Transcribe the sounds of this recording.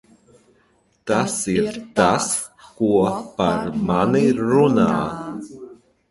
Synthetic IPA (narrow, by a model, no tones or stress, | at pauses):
t̪asiɾt̪as | kuəpaɾmaniɾuna̰ː